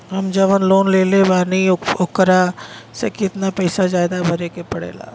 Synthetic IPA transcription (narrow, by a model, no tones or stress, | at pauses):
ɦɐmd͡ʒɐʋənloːnleːlebaːniokɾasḛkɪt̪napɐɪsazaːɪd̪abʱɐɾekepɐɽḛːla̰ː